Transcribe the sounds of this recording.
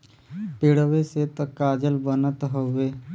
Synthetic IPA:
peɽəʋeset̪ɔkaːd͡ʒəlbənət̪ɦoe

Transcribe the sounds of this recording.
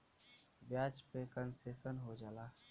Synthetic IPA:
ʋjaːt͡ʃpekənseːsənɦod͡ʒaːlaː

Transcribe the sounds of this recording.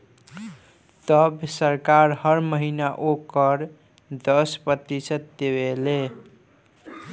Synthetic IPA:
t̪əbsəɾkaɾhəɾməɦinaʔokəɾ | d̪əspɾət̪isət̪̚d̪ewele

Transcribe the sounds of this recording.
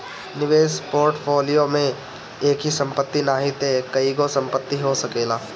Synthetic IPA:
nɪʋeːspoːɾʈfʰoːlijomẽ | eːkɦisɐ̃mpət̪ːinaːɦit̪ekɐiɡosɐ̃mpət̪ːiɦosɐkeːlaː

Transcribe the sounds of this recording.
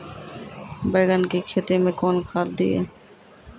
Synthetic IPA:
bəːɡənkikʰeːt̪eːmẽːkoːnkʰaːld̪ḭːɛ̰ː

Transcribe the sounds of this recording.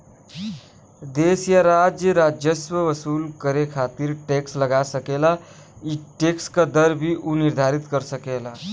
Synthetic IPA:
d̪esjaɾad͡ʒjəɾad͡ʒjəsʋəʋəsulkəɾekʰat̪iɾʈeksləɡasəkela | iʈekskad̪əɾbʱiʔuniɾd̪ʱaɾit̪kəɾsəkela

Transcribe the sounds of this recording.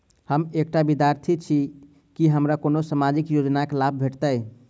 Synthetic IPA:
həmek̚ʈabid̪jaɾt̪ʰit͡ʃʰi | kiɦəmɾakonosamad͡ʒikjod͡ʒnaklab̚ʱbʱeʈt̪əj

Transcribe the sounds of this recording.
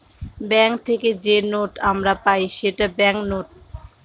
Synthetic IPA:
bɛŋk̚t̪ʰeked͡ʑenoʈamɾapajʃeʈabɛŋknoʈ̚

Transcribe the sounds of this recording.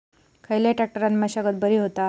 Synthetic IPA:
kʰəjlaʈɾɛk̚ʈəɾanmaɕaɡət̪̚bəɾiːɦot̪a

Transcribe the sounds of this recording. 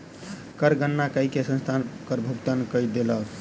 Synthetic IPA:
kəɾɡənːakəikesə̃nst̪ʰankəɾbʱuɡt̪ənkəjd̪elə

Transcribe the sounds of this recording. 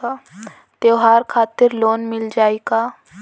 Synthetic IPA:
a | t̪eoɦaːɾkʰaːt̪ɪɾloːnmɪld͡ʒaːeɡaː

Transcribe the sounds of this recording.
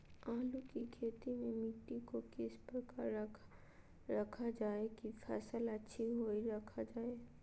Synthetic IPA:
aːlukikʰeːt̪imẽmɪʈːikokɪspəɾkaɾʰ | ɾɐkʰad͡ʒaːekifʰɛːsəlɐtːʃʰiɦoːiɾɐkʰad͡ʒaːe

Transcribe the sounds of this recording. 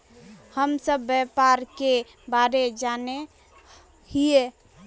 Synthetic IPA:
həmsəbːjɛpaɾke | baɾed͡ʒane | ɦije

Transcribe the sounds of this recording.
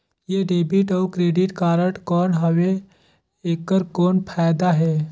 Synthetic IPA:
jeɖeːbiʈɔwkɾeːɖiʈkaːɾəʈkɔːnɦəʋe | eːkːəɾkoːnpʰajd̪aɦɛː

